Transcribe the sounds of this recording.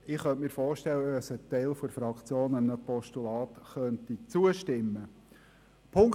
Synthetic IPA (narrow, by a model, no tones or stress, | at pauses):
ɪχœntmiːɾfɔːɾʃtɛlːəəɛsət̪ɛɪlfoɾfɾɑkt͡sjoːnəmnəpɔʃtulɑːt̪χœntit͡suəʃtɪmːə | pʰʊŋk